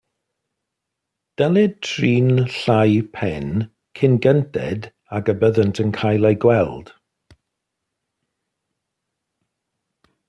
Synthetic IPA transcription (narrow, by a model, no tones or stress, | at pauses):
d̥ɛlɪd̚tʰriːnɬajpʰɛn | kʰɪnɡəntɛ̰d | aɡəbəðəntʰənkʰajlˠajɡwɛlˠd̥